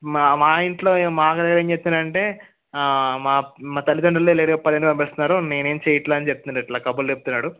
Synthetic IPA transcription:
maːiɳʈlo̞ːeːmaːkɐd̪ɐɡɐɾeːɲt͡ʃep̪̚ːinɐɳʈe̞ː | maːmaːt̪ɐlːid̪ɐɳɖɐlːoeleːɾɡɐpːɐɐɐnːipɐmpeːst̪unːaːɾune̞ːne̞ːmt͡ʃeːjɐʈlaːɐnit͡ʃep̚t̪uniʈlaːkɐbult͡ʃep̬̚ut̪unːaːɽu

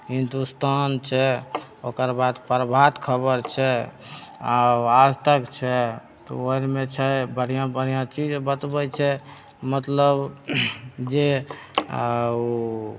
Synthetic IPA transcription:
ɦind̪ust̪ant͡ʃʰɛokəɾbad̪pəɾbʱat̪kʰəbəɾt͡ʃʰɛ | aad͡ʒt̪əkt͡ʃʰɛ | t̪ɔ̰oiɾmet͡ʃʰɛbəɽ̤ijãbəɽ̤ijãt͡ʃid͡ʒbət̪bɛt͡ʃʰɛ | mət̪ləb | d͡ʒe

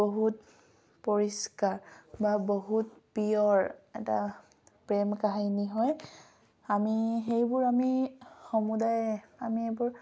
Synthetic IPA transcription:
boɦut | poɹiskaɹbaboɦut̚piɔɹɛ̰ta̰ | pɹɛmkaɦiniɦɔj | amixejbʊɹamixɔmudajamiebʊɹ

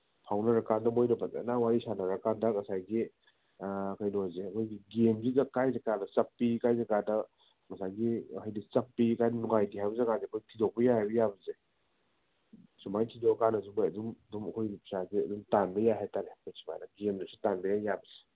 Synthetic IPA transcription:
pʰawnɐɾɐkadɐmojnɐpʰaḛnawaɾisanɐɾɐkadɐŋɐsajɡi | kajnozeɐkʰojɡiɡemzidɐkajzɐkadɐt͡ʃɐpːikajzakadɐ | ŋɐsajɡiajdit͡ʃɐpːikajnɐnuŋajdiɦajbɐzekazekʰojtʰidobɐjahajbɐjabɐze | sumajtʰidokanɐsubojɐdumɐdumɐkʰojnipʰisaziɐ̰dumtanbɐjaɦataɾekʰojsu̥ma̰jnɐɡemdɐsutanbɐjajjabɐze̥

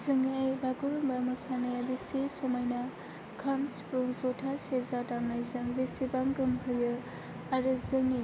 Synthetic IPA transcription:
zɯŋajbaɡuɾuŋbamɯsanajabisesomajna | kʰamspɾuŋzɔtʰasezadamnajzɯŋbesibaŋɡɯmkʰɯjɯ | aɾɯzɯŋi

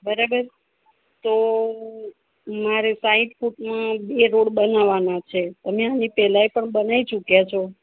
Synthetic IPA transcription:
bəɾabəɾ | t̪o | maɾesaĩʈfuʈmãbeɾoɽbənaʋanat͡ʃʰet̪əmẽanipɛlajpəɳbənait͡ʃukjat͡ʃʰo

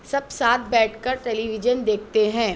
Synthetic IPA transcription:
sɐbsaːt̪̚ʰbɛːʈʰkɐɾʈɛːliʋɪd͡ʒənd̪eːk̚ʰt̪eɦɛ̃ː

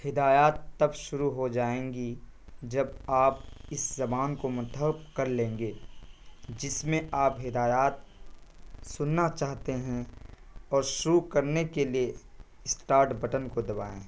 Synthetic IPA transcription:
hɪd̪aːjaːt̪ːɐbʃʊɾuɦod͡ʒaːẽːŋɡi | d͡ʒɐbaːpɪszɐbaːnkomʊt̪ʰəpkɐɾlẽːŋɡe | d͡ʒɪsmẽaːpɦɪd̪aːjaːt̪̚ | sʊnːat͡ʃaːɦt̪eɦɛ̃ | ɔːɾʃʊɾukɐɾnekelie | sʈaːɾʈbɐʈənkod̪ɐba̰ːḛ̃ː

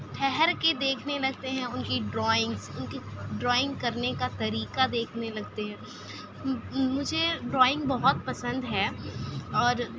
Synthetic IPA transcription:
ʈʰɛɦɛɾked̪eːkʰnelɐɡ̚t̪eɦɛ̃ʊnkiɖɾɔːɪ̃ŋɡsʊnkiɖɾɔːɪ̃ŋɡkɐɾnekat̪ɐɾiːkad̪eːkʰnelɐɡt̪eɦɛ̃ː | mʊd͡ʒʱeɖɾɔːɪ̃ŋɡ̚bɐɦʊt̪̚pɐsə̃nd̪ɦɛː | ɔːɾ

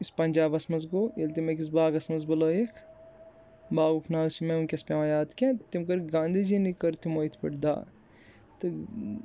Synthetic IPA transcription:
ispɐnʲd͡ʒaːbɐsmɐzɡoːjelt̪imɐkis̬baːɡɐsmɐzbɐloːjekʰ | baːɡupʰnaːsimeunkʲɐspʲaːʋãjaːd̪kʲẽt̪imkɐɾɡãːnd̪id͡ʒinikɐɾt̪imoːit̪ʰpɐʈd̪a̰ː | t̪ɨ

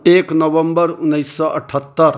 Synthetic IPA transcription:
eːknəʋəmbəɾʊnːəjsːɔʔɐʈʰət̪ːəɾ

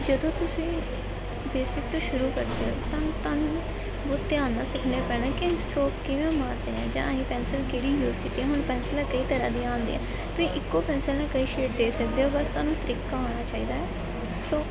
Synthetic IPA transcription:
d͡ʒəd̪õːt̪ʊsĩː | beːsɪk̚t̪õːʃʊɾuːkəɾd̪eːɦo̰ːt̪ãːt̪aːnũː | boːt̪ːeãːnd̪aːsəkʰneːpɛːnãːkɪɪnsʈɾoːkːɪʋẽːmaːɾd̪eːɛ̰̃ːd͡ʒã̰ːəĩːpɛ̃ːnsəlkeːɽiːjuːzkɪt̪ːiːɛ̃ːɦʊɳpɛːnsəlɛ̃ːkəiːt̪əɾã̰ːd̪iãːnd̪ḭɛ̰̃ː | t̪ʊsĩːʔɪkːoːpɛːnsəlnẽːkəiːʃeːʈ̚d̪eːsəkd̪eːɦoːbəst̪aːnũːt̪əɾiːkaːoːɽ̃aːt͡ʃaːiːd̪aːɛː | soː

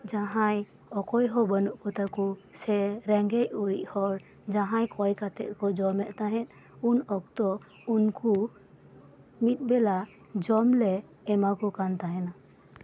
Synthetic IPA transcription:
d͡ʒaɦaj | ɔkɔjɦɔbənuʔkɔt̪akɔsɛɾɛŋɡɛcuɾḭʔˀhɔɾ | d͡ʒaɦãjkʰɔjkat̪ɛ̰ʔ̪̚kɔd͡ʒɔmɛʔt̪aɦɛ̃t̪̚ˀ | unɔk̚t̪ɔ | unku | mit̪̚ˀbɛla | d͡ʒɔmlɛː | makɔkant̪aɦɛna

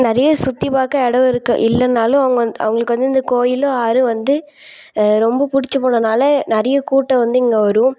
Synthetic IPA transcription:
nɪɾɐjɐsʊt̪ːipaːkːɐɛɽɐʋɪɾɯkːɐ̰ʔɪlːɐnːaːlʊ̃ɐʋɐŋɡɐɐnɐ̰ʋɐŋɡɐɭɯkːɯʋɐnd̪ɯɪnd̪ɐkoːjɪloːaːɾɯʋɐnd̪ɯ | ɾɔmbɐpʊɽɪt͡ʃːɐpoːɳɐnaːlɐnɐɾɐjɐkuːʈːɐʋɐnd̪ɯɪŋɡeʋɐɾɯʊ̃

